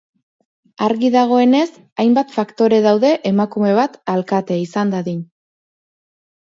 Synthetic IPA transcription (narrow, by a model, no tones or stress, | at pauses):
aɾɣiðaɣ̞o̞e̞ne̞s | ajmbat̪fakt̪o̞ɾe̞ð̞awðe̞ʔemakume̞β̞at̪alkat̪e̞isand̪aðiɲ